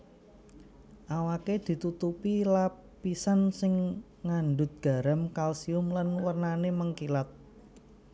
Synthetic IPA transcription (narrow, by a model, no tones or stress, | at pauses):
ʔawaked̪̥i̤t̪ut̪upila | pisansɪŋ | ŋaɳɖʊt̪̚ɡ̥a̤ɾamkalsiʊmlanwərnaneməŋkilat̪̚